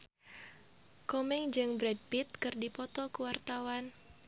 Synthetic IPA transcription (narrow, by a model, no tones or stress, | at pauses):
kɔmɛŋd͡ʒɨŋbɾɛd̚pit̪̚kɨrdipɔt̪ɔkuwart̪awan